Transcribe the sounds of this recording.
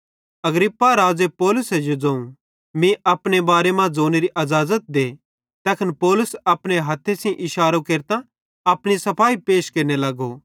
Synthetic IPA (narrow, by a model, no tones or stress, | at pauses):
ɐɡɾɪpːaɾaːd͡zepɔːlʊsɛjod͡zãːũ | mĩɐpɽ̃ebaːɾemãd͡zoːneɾiʔɐzaːzət̪̚d̪eː | t̪ɐːkʰənpɔːlʊsɐpɽ̃eɦɐt̪ʰːesĩʔɪʃaːɾokeːɾt̪ã | ɐpɽ̃isɐpʰaːipeːʃkeːɾnelɐɡo